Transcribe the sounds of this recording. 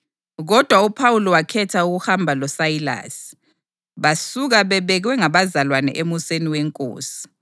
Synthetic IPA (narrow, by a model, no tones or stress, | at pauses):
ɣɔd̥ʱwaupʰawulɔwakʰɛtʰauɣuhambʱalɔsajila̰ːsi̥ | βasuɣaβɛβɛɣwɛŋaβazalwanɛ̰ʔemuseniweŋkʼo̰ːsi̥